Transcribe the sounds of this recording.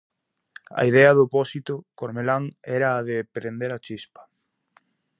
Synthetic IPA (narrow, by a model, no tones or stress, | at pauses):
ɐ̰iðɛɐðopɔsit̪ʊkoɾmelaŋɛɾɐːðepɾend̪eɾɐt͡ʃispɐ̥